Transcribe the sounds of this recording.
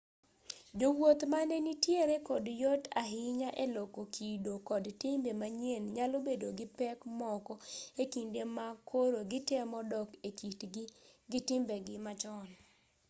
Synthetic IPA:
d͡ʒowot̪manenitjeɾekɔdjɔtaɦɪɲaʔelokokidokɔdtɪmbemaɲenɲalobedoɡɪpɛkmɔkɔekindemakʰoɾoɡɪtɛmɔdɔkeitɡɪtɪmbeɡɪmat͡ʃɔn

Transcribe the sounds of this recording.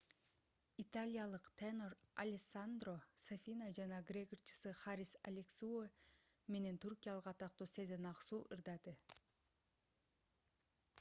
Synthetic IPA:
it̪alʲijalˠɯqt̪ʰenoɾalʲesand̪rosafʲinad͡ʒɑnɑɡrʲeɡort͡ʃʰɯ̥sɨχaɾʲisa̰lʲeksueme̞ne̞nt̪ʰurkʲijalˠəqɑt̪ɑq̚t̪osed̪enɑqsuːʔɯɾd̪ɑd̪ɯ

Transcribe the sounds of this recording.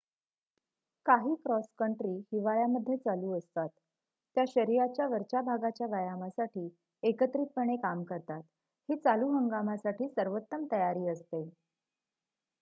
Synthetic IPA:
kaɦiːkɾɔskəɳʈɾiːhiʋajaməd̪ʱːjet͡saluːəst̪at̪ː | jaɕəɾiat͡ɕjaʋəɾt͡ɕabʱaɡat͡ɕjaʋəjamasaʈiː | ekət̪ɾit̪̚pəɳ̃ekamkəɾt̪at̪ | hiːt͡saluːɦəŋɡamasaʈiːsəɾʋət̪ːəmt̪əjaɾiːəst̪e

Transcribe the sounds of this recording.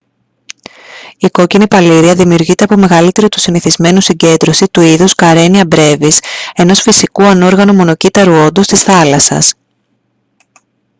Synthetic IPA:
iko̞cinipɐliɾiɐðimiuɾʝit̪e̞ɐpo̞me̞ɣɐlit̪e̞ɾit̪u̥siniθizme̞nusiɲɟe̞nd̪ɾo̞sit̪uiðuskɐɾe̞niɐbɾe̞vise̞no̞sfisikuɐno̞ɾɣɐnumo̞no̞cit̪ɐɾuo̞nd̪ust̪isθɐlɐsɐ̰s

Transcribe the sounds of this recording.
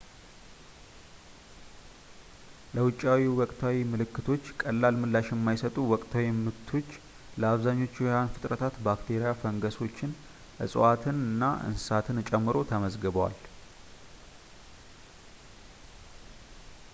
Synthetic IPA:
ləwʊt͡ʃʼːawiwɔkʼt̪ʰawimɨlɨkːɨt̪ʰo̞t͡ʃːkʼəlːalmɨlːaʃjɛmːajsət̪ʼuwɔkʼt̪ʰawimɨt̪ʰːo̞t͡ʃː | ləaβzaɲːo̞t͡ʃːjanfɨt̪ʼɾət̪ʰat̪bakt̪ʰe̞ɾijafəŋɡəso̞t͡ʃːɪn | ʔɨ̰sʼʔat̪ʰɨnɨnːaʔɨ̰nsɨsat̪ʰɨnt͡ʃʼɛmːɨɾo̞t̪ʰəməzɡəβəwa̰l

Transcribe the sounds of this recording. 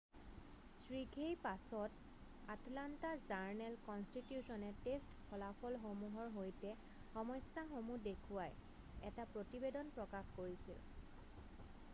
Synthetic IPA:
sɹiɡʱejpasɔt | atlantazaɹnɛlkɔnstitjusɔnɛtestkʰɔlapʰɔlxomuɦɔɹɦojtɛ | xɔmɔjsaxomudekʰuwaj | ɛ̰tapɹotibedɔnpɹɔkaxkoɹisḭl

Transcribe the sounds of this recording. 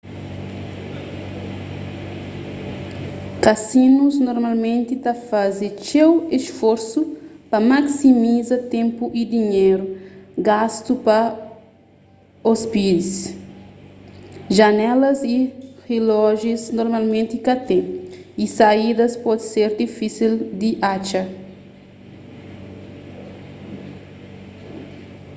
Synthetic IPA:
kɐsinuznoɾmalmẽnt̪it̪ɐfazet͡ʃeweʃfoɾsupɐmaksimizɐt̪ẽmpuʔid̪iɲeɾuɡast̪upɐ | ospid̪is | ʒɐnɛlɐzirelɔʒiznoɾmalmẽnt̪ikat̪eisaid̪ɐspɔd̪seɾd̪ifisild̪iʔat͡ʃɐ

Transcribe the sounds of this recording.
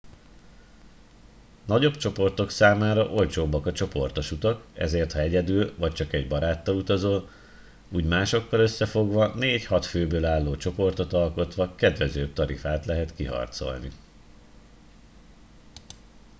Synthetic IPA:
nɒɟo̞bt͡ʃo̞po̞rt̪o̞ksaːmaːɾɒʔo̞lt͡ʃoːbːɒkɒt͡ʃo̞po̞̰rt̪oʃut̪ɒkɛ̰zeːrt̪hɒɛɟɛd̪ylvɒc̚t͡ʃɒkɛɟbɒɾaːt̪ːɒlut̪ɒzoːl | uːɟmaːʃo̞kːɒlø̞sːɛfo̞ɡʋɒneːchɒt̪føːbøːlaːlːoːt͡ʃo̞po̞rt̪o̞t̪ɒlko̞t̪ʋɒkɛd̪ʋɛzøːb̚t̪ɒɾḭfaːt̪lɛɦɛt̪kiɦɒ̰rt̪so̞̰lnḭ

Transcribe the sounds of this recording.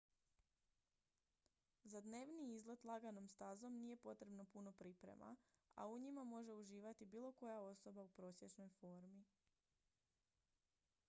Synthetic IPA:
zad̪ne̞ːʋniizlet̪lˠaɡano̞mst̪azo̞mnije̞po̞t̪ɾe̞bno̞puno̞pɾipɾḛmʔa̰a̰uɲimamo̞ʒe̞uʒiːʋat̪ibiːlˠo̞ko̞jao̞so̞baupɾo̞ːsʲje̞t͡ʃno̞jfo̞ɾmi

